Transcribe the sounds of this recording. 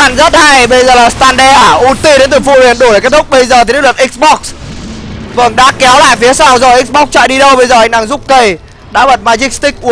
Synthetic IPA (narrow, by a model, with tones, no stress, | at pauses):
a˧˨˩nzə˦˥t̚ha˧jɓə˧jzəː˨˩laː˨˩st̪aː˧nɗɛ˧ʔaː˧˩ʔu˨˦t̪i˧ɗe˨˦nt̪ɨ˨˩fu˧hwi˨˩ənɗu˧˩jke˦˥t̪̚ʰʊ˦˥k͡p̚ɓə˧jzəː˨˩i˨˦˥lə˨˩tʔi˦˥k̚sɓɔ˦˥k̚s | vɨ˨˩ənɗa̰ː˧˥kɛ˨˦wla̰ː˧˨jfi˨˦əsaː˧wzɔ˨˩jʔi˦˥ɓɔ˦˥k̚t͡ɕa̰ː˧˨jɗi˧ɗə˧wɓə˧jzəː˨˩ʔa˧˨ŋ̟ɗa˨˩ŋzʊ˦˥p̚kə˧j | ɗa̰ː˧˥ɓə˨˩t̚maː˧t͡ɕi˦˥k̚st̪ï˦˥k̚ʔu˨˦